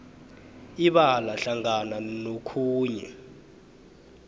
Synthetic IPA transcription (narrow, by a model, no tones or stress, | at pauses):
iɓalaɬaŋananokʰuːɲɛ̰